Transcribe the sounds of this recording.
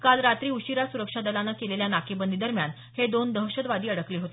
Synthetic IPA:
kalɾat̪ɾiːuɕiɾasuɾəkʂad̪əlanakeleljanakʰebənd̪id̪əɾmjan | hed̪ond̪əɦɕəd̪ʋad̪iːəɽəkliɦot̪e

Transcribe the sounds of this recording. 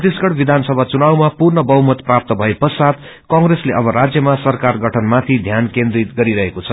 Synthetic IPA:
t̪iskʌɽbid̪ʱansʌbʱat͡sunawmapurɳʌbʌɦumʌt̪prap̚t̪ʌbʱʌepʌsad̪ | kãŋɡɾesleʔʌbʌɾad͡zjʌmasʌrkarɡʱʌʈʰʌnmat̪ʰid̪ʱjankẽnd̪ɾit̪̚ɡʌɾiɾʌɦekot͡sʰʌ̥

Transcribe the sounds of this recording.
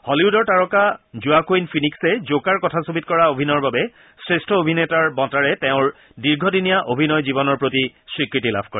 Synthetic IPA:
hɔliudɔɹtaɹɔkazuakoinpʰiniksɛzokaɹkɔtʰasobit̚kɔɹaobʱinɔɹbabɛ | sɹestʰɔobʱinetaɹbɔtaɹɛtɛʊ̃ɹ | diɹɡʱɔdinijaʔobʱinɔjzibɔnɔɹpɹotiswikɹitila̰bʰʱkɔɹɛ

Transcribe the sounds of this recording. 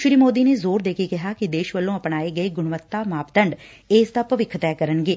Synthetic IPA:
ʃɾiːmoːd̪iːneːzoːɾd̪eːkʰekɪɦaːkɪd̪eːʃʋəlːõːəpnaːeːɡəeːɡʊɳʋət̪ːaːmaːpt̪əɳɖ | eːsd̪aːpəʋɪkʰːt̪ɛːkəɾənɡeː

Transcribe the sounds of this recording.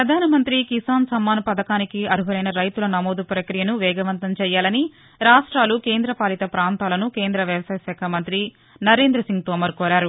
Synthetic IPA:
ppɾɐd̪ʱaːnɐmɐnt̪ɾikisaːnsɐmːaːnɐpɐd̪ɐkaːnikiɐɾuɦɐlɐjnɐɾɐjt̪ulɐnɐmoːd̪upɾɐkɾijɐnuʋɛːɡɐʋɐnt̪ɐmt͡ʃɛːjaːlɐni | ɾaːʂʈɾaːlukeːnd̪ɾɐpaːlit̪ɐpɾaːnt̪aːlɐnukeːnd̪ɾɐʋjɐʋɐsaːjɐsaːkʰɐmɐnt̪ɾi | nɐɾe̞ːnd̪ɾɐsiŋɡ̚t̪ɔːmɐɾkɔːɾaːɾu

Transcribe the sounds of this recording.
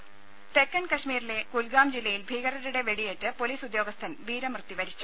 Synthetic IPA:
t̪ekːɐnkɐʂmiːɾile̞kulɡaːmd͡ʑilːɐjilbʱiːɣɐɾɐɾuɽe̞ʋe̞ɽijetːɨpo̞liːsud̪jo̞ːɡɐst̪ʰɐnʋiːɾɐmrɨt̪ːiʋɐɾit͡ɕːu̥

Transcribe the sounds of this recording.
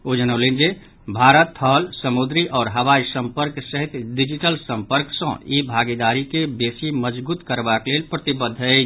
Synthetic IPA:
od͡ʒənəʊlend͡ʒe | bʱaɾət̪ʰːəlsəmud̪ɾiʔɔːɾɦəʋaisəmpəɾksəɦit̪ɖid͡ʒiʈəlsəmpəɾksə̰̃ibʱaɡid̪aɾikebesiməd͡ʒbuːt̪kəɾbaklelpɾət̪ibəd̪ʱːɛt͡ʃʰ

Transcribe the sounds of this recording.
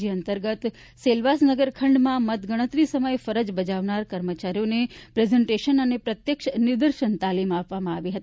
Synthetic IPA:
d͡ʒiənt̪əɾɡət̪ | selʋasnəɡəɾkʰəɳɖmãmət̪ɡəɽ̃ət̪ɾisəməjfəɾəd͡ʒbəd͡ʒaʋnaɾkəɾmət͡ʃaɾijonepɾezeɳʈeʃənənepɾət̪jəkʃnɪɾd̪əɾʃənt̪alimapʋamãaʋiɦət̪i

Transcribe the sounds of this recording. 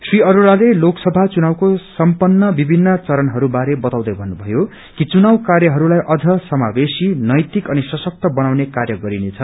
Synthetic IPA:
sriʌɾuɾaleloksʌbʱat͡sunawkosʌmpʌnːʌbibʱinːʌt͡sʌɾʌnɦʌɾubaɾebʌt̪awd̪ʌjbʱʌnːubʱʌjo | kit͡sunawkarjʌɦʌɾulajʔʌd͡zʱʌsʌmabesinʌjt̪ikʌnisʌsʌk̚t̪ʌbʌnawnekarjʌɡʌɾinet͡sʰʌ

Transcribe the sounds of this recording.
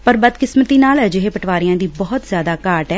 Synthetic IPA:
pəɾbəd̪kɪsmət̪iːnaːld͡ʒɪɦeːpəʈʰʋaːɾɪjãːd̪iːbɔːt̪zjaːd̪aːkaːʈɛː

